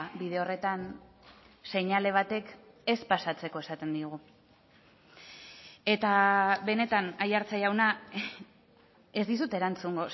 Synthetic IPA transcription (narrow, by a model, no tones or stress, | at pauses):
bið̞e̞o̞re̞t̪an | se̞ɲale̞β̞at̪e̞k | e̞spasat͡se̞ko̞e̞sat̪e̞nd̪ioɣ̞u | e̞t̪aβe̞ne̞t̪anajaɾt͡sajawna | e̞zd̪isut̪e̞ɾant͡suŋɡo̞